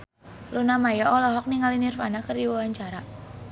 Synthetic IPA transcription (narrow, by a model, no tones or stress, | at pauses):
lunamajaʔɔlɔɦɔk̚niŋalinirfanakərdiwawaɲt͡ʃaɾa